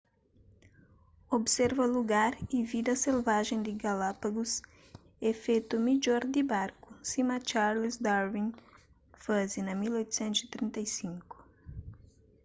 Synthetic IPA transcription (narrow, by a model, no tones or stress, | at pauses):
obseɾvɐluɡaɾivid̪ɐselvaʒẽj̃d̪iɡalapaɡus | efet̪umid͡ʒɔɾd̪ibaɾkusimat͡ʃaɾlesd̪aɾvĩŋ | fazinɐmilojt̪u̥sɛ̃nt̪uz̥it̪ɾĩnt̪ɐjsĩŋku̥